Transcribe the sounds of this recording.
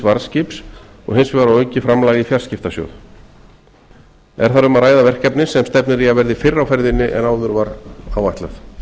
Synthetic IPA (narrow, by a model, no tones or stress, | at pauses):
vaɾscɪps | ɔ̰ɣɦɪnsvɪvaɾawœɥcɪfɾamlaːɣɪfjar̥scɪft̪asjo̰wð | ɛɾ̥θaɾʏmaðɾaːjðavɛr̥kɛpnɪsɛmst̪ɛpnɪɾiavɛɾðɪfɪrːawfɛɾðɪnːɪʔɛ̰naːwðʏɾvaɾawvaht̪la̰θ